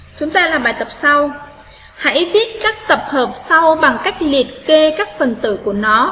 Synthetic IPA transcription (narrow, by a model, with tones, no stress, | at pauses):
t͡ɕʊ˨˦ŋ͡mt̪aː˧laː˨˩ɓaː˨˩jt̪ə˨˩p̚sa˧w | ha̰˧˥jvi˦˥ət̚kaː˦˥k̚t̪ə˨˩p̚həː˨˩p̚sa˧wɓa˨˩ŋka˦˥jk̟̚li˨˩ət̚ke˧kaː˦˥k̚fə˨˩nt̪ɨ̰˧˩ku˧˩ənɔ˨˦